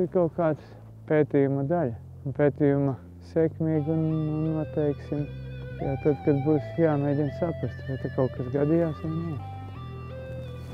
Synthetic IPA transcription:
iɾkaʊkaːd̪s | peːt̪ijumɐd̪alʲ | unpʲeːt̪ijumɐ | sɛkmiːɡunnuɔt̪ɛjksimjat̪ad̪kad̪̚buːsjaːmeːdʲinsapɾast̪ʋajt̪akawkasɡad̪ijaːsjanaw

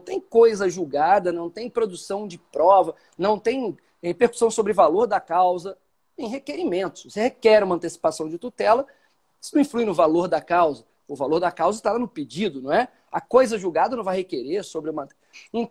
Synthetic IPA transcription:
w̃t̪ẽj̃kojzɐʒuwɡad̪ɐnɐ̃w̃t̪ẽj̃pɾod̪usɐ̃w̃d͡ʒɪpɾɔvɐ | nɐ̃w̃t̪ẽj̃ | hepeɾku̥sɐ̃w̃sobɾɪʊvaloɾd̪ɐkawzɐ | ẽj̃ɦekeɾimẽnt̪ʊ̥svosehekɛɾũmɐ̃nt̪esi̥pasɐ̃w̃d͡ʒɪt̪ut̪ɛlɐ | sɪñĩflujnʊvaloɾd̪ɐkawzɐ | ʊvaloɾd̪ɐkawzɐt̪alɐnʊped͡ʒid̪ʊnɐ̃w̃ɛ | ɐkojzɐʒuwɡad̪ɐnɐ̃w̃vajhekeɾeɾsobɾɪũmɐ | ẽ

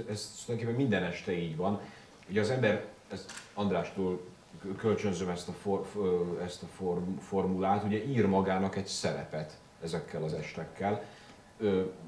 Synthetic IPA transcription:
ɛzld̪jokepːɛmːind̪ɛnɛʃt̪ɛiːɟvɒn | huɟɛɒzɛmbɛrɛst̪ɒnd̪raːʃt̪oːl | kølt͡ʃønzømɛst̪ɒforɛst̪ɒforfo̞rmulaːt̪uɟɛʔiːrmɒɡaːnɒkɛɟsɛɾɛ̰pɛt̪ | ɛzɛkːɛlɒzɛʃt̪ɛkːɛl | ø

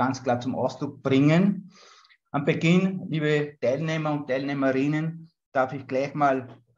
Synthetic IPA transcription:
ant͡skl̥aːɐt͡sʊmʔa̰ʊstʁʊk̚b̥ʁɪŋən | ʔambəɡɪnliːbətʰaɪlneːmɐʊntʰaɪlneːməʁɪnən | d̥aɐfɪçɡ̥laɪçmaːl

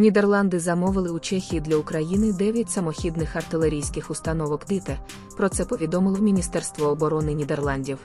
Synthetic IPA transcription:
nʲid̪erlˠɑnd̪ɪzɐmɔʋɪlˠɪut͡ʃɛxʲijid̪lʲɐʊkɾɐjinɪd̪ɛʋʲjɐtʲsɐmɔxʲid̪nɪxɐrt̪ɪlˠe̞ɾʲijsʲkɪxʊst̪ɐnɔʋɔkd̪ɪt̪ɛ | pɾɔt̪sɛpɔʋʲid̪ɔmɪlˠɔmʲinʲist̪ɛrst̪ʋɔːbɔɾɔnɪnʲid̪e̞rlˠɑnʲdʲiw

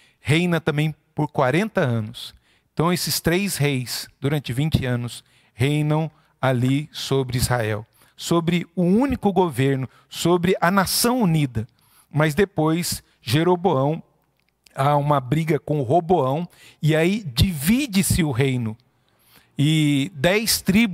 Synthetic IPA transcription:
hẽjnɐt̪ɐ̃mbẽj̃poɾkwaɾẽnt̪ɐɐ̃nʊs | ẽt̪ɐ̃w̃esɪst̪ɾejshejsd̪uɾɐ̃nt͡ʃɪvĩnt͡ʃɪɐ̃nʊs | hejnɐ̃w̃ | alisobɾɪizhaɛw | sobɾɪʊũnikʊɡoveɾnʊ | sobɾɪʔɐnasɐ̃w̃unid̪ɐ | mɐzd̪epojs | ʒeɾoboɐ̃w̃ | aũmɐbɾiɡɐkõʊɦoboɐ̃w̃ | ɪaid͡ʒivid͡ʒɪsɪʊɦejnʊ | ɪd̪ɛjst̪ɾib

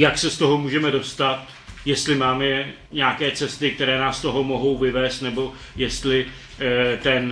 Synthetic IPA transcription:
jaksɛst̪o̞ɦomuːʒɛmɛdo̞st̪at̪ | jɛst̪lɪmaːmɛ | ɲɛakɛːt͡sɛst̪ɪk̚t̪ɛɾɛːnaːst̪o̞ɦo̞mo̞ɦo̞wvɪvɛːst̪nɛbo̞ | jɛst̪lɪ | t̪ɛn

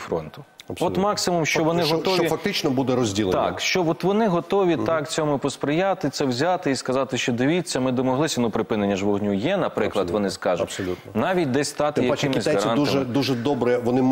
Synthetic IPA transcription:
fɾɔ̰nt̪ʊ̥ | ɐɔt̪mɑksɪmʊmʃt͡ʃɔʋɔnɪɦɔt̪ɔʋʲifɐk̚t̪ɪt͡ʃnɔbud̪ɛɾɔzʲdʲilˠt̪ɑ̰kʃt͡ʃɔbɔt̪ʋɔnɪɦɔt̪ɔʋʲit̪ɑkt͡sʲɔmʊpɔspɾɪjat̪ɪt̪sɛwzʲat̪ɪiskɐzɑt̪ɪʃt͡ʃɔd̪ɪʋʲit͡sʲːɐmɪd̪ɔmɔɦlˠɪsʲɐnupɾɪpɪnenʲːɐʒʋɔɦnʲujɛnɐpɾɪklˠɐd̪ʋɔnɪskɑʒʊtsɔu | nɑʋʲit̚ʲd̪ɛsʲst̪ɑt̪ɪjɐkɪmɪzʲɐɾɑnɐmɛd̪uʒɛd̪ɔbɾɛʋɔnɪ

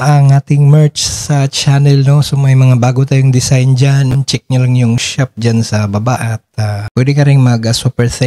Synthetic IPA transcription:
ʔɐŋaːt̪ɪŋmɛɹt͡ʃsɐt͡ʃanɛlnosomɐjmɐŋabaːɡot̪aːjʊŋd̪ɪsajnd͡ʒant͡ʃɛk̚ɲɐlaŋjʊŋʃap̚d͡ʒɐnsɐbɐba̰ʔɐt̪̚apwɛd̪ɛkɐɾɛŋmɐɡɐsupɛɹsɛ

